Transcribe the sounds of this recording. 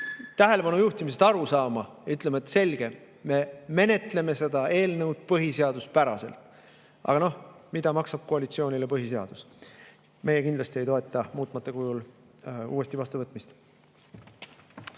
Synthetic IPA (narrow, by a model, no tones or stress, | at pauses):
t̪æɦe̞le̞pɑnujuht̪imis̬ed̪̥ɑɾusɑːmɑjɑyt̪lemeet̪se̞lɡ̥e̞ | me̞me̞ne̞t̪le̞me̞se̞d̪̥ɑe̞ːlnɤwd̪̥̚pɤɦiseɑd̪ust̪̚pæɾɑse̞̰lt̪ˑ | ʔɑ̰ɡ̥ɑno̞hmid̪̥ɑmɑksɑb̥̚ko̞ɑlit̪sio̞ːnilepɤɦis̬eɑ̰d̪̥us | me̞je̞kind̪lɑst̪ie̞jt̪oe̞t̪ːˑɑmuːt̪ˑmɑt̪ːˑekujul | ṵːe̞st̪ivɑst̪uvɤt̪ːˑmist̪